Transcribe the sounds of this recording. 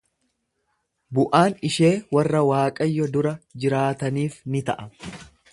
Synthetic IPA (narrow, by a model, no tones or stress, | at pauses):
bʊʔaːnɪʃe̞ːwɐrːɐwaːkʼɐjːɔd̪ʊɾɐd͡ʒɪɾaːt̪ɐniːfnɪt̪ɐʔɐ